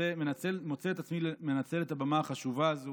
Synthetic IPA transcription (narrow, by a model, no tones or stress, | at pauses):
emenat͡selmot͡seetat͡smilemenat͡se̞le̞tabamaːχaʃuvazo